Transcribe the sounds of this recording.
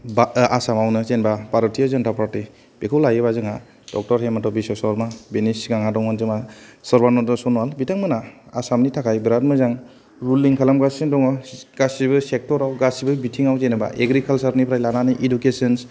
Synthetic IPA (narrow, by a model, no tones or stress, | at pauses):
baasamawnɯzenbapaɾɯtʰijazɔntapaɾti | b̥ekʰɔwlajɯbazɯŋa | d̥ɔk̚tɔɾɦematɔbisɔsɔlmabenisɡaŋɦadɔŋɔnzɯmasɔɾbanɔdɔsɔnualbitʰaŋmɯnaasamnitʰakʰajbɾatmɯzaŋ | ɾulːiŋkʰalamɡasɯndɔŋɔɡ̥asibɯsek̚tɔɾawɡasibɯbitʰiŋawzenɯba̰ʔeɡɾikʰalsaɾnipʰɾajlananiʔidukesɔns